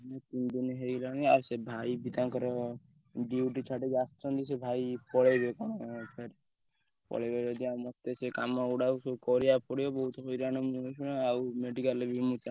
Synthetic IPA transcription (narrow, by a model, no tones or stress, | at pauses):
net̪ind̪inɦelanea̰ɾsebʱaibit̪ãkɔɾɔ | ɖiuʈit͡ʃʰaʈed͡ʒast̪ɾɔnd̪isebʱaipɔɭebekɔɽ̃pʰeɾ | pɔ̰ɽebed͡ʒɔd̪iamɔt̪ːesekamɔuɽasokɔɾijapɔɽijɔbɔɦut̪ɔɦɔjɾañɔmusuñɔawmeɖikalebʱimut͡ʃa